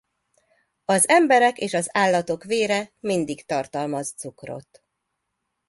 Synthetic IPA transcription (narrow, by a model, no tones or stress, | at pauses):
ɒzɛmbɛɾɛkeːʃɒzaːlːɒt̪o̞kveːɾɛmind̪ikt̪ɒrt̪ɒlmɒzt̪sukro̞̰t̪